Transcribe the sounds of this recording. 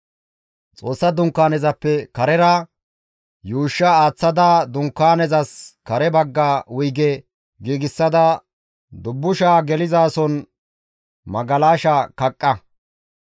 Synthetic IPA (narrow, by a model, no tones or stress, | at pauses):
t͡sʼo̞ːsːɐd̪ʊŋkːaːnɛzɐpːɛkɐɾɛɾɐ | juːʃːɐaːt͡sːɐd̪ɐd̪ʊŋkːaːnɛzɐskɐɾɛbɐɡːaːwʊjɡɛ | ɡiːɡɪsːɐd̪ɐ | d̪ʊbːʊʃaːɡɛlɪzaːsɔn | mɐɡɐlaːʃɐkɐkʼːɐ